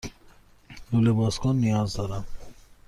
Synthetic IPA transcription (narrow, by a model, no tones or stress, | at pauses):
ulebɔskɔnːijazd̪ɔɾa